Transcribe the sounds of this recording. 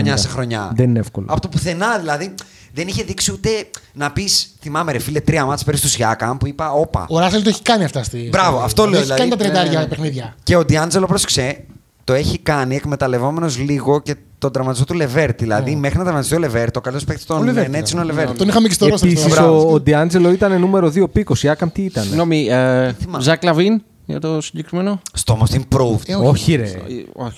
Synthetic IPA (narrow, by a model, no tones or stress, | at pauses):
ɲɐssexɾo̞ɲɐ̰ðenineefkol̰ɐ̰po̞t̪opuθe̞nɐðilɐði | ðe̞niçe̞ðiksiut̪e̞nɐpisθimɐme̞ɾefilet̪ɾiɐmɐspe̞ɾist̪uzʝɐkɐmpuipɐopɐ̰oɾɐselt̪oeçi̥kɐniɐft̪ɐst̪ibɾɐvoɐft̪o̞leeðçilɐkɐnit̪ɐt̪ɾiet̪ɐɾʝɐpexniðʝɐce̞od̪iɐnd͡zelopɾoskse | t̪o̞e̞çikɐniekme̞t̪ɐle̞vo̞me̞no̞zliɣo̞ce̞ | t̪ond̪ɾɐmɐt̪ist̪ot̪ule̞veɾt̪ðilɐ̰ðimexɾinɐd̪ɾɐmɐt̪ist̪iole̞veɾt̪o̞kɐlit̪ospekt̪e̥t̪onvnet͡siineoleveɾt̪onixɐmekest̪oɾospisisod̪iɐnd͡ze̞lo̞it̪ɐne̞nume̞ɾo̞ðiopiko̞siɐkɐmt̪iit̪ɐnɣnomiimzɐklɐvin | jɐ̰t̪o̞siɟe̞kɾime̞no̞st̪omost̪inpɾovoçiɾeo̰ç